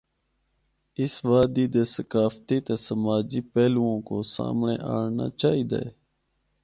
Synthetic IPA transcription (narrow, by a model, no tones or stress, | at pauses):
ɪsʋaːd̪iːd̪eːsəkaːft̪iːt̪eːsəmaːd͡ʒiːpɛːluõːkoːsa̰ːmɳḛːʔa̰ːɳna̰ːt͡ʃaːɦiːd̪a̰ːeː